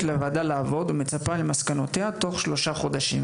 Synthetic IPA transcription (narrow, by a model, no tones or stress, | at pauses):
levad̪alaːvo̞d̪ume̞t͡sapalemaskano̞tehat̪o̞χʃlo̞ʃaχo̞d̪aʃim